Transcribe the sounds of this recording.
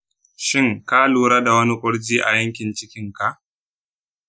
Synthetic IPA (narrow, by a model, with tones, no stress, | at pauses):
ʃɪ˦ŋka˦luː˨ɾaː˦da˨wɐ˦ni˦kʷʼʊ˦ɽd͡ʒiː˦ʔa̰˨jɐ˦ŋkʲɪ˨nt͡ʃɪ˦kʲɪ˦ŋka˨ʔ